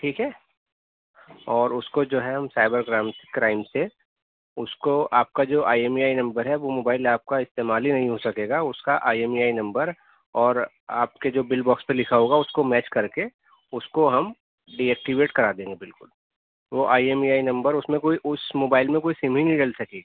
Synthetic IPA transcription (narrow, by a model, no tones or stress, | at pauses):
ʈʰiːkɦɛː | ɔːɾʊskod͡ʒoːɦɛɦɐ̃msaːɪbəɾɡɾãːmskɾaːɪmse | ʊskoaːp̚kad͡ʒoːʔaːjeːmiaːinɐ̃mbəɾɦɛʋomoːbaːɪlaːp̚kaɪst̪eːmaːlinɐɦĩɦosɐkeːɡaʊskaʔaːiemiaːinɐ̃mbəɾ | ɔːɾ | a̰ːp̚ked͡ʒoːbɪlbɔːkspelɪkʰaɦoːɡaʊskomɛːt͡ʃkɐɾke | ʊskoɦɐm | ɖiɛːk̚ʈiʋeːʈkɐɾaːd̪ẽːŋɡebɪlkʊl | ʋoʔaːieːmiaːinɐ̃mbəɾʊsmẽkoːiʔʊsmoːbaːɪlmẽkoːisimɦinĩɖɐlsɐkeːɡa